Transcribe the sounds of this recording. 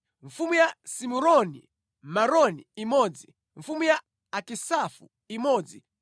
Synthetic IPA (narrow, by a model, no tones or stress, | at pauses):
ɱ̩fumujasimuɾɔnḭ | maɾɔniːmɔd͡zi | ɱfumujaː | kisafṵ | imɔːd͡zi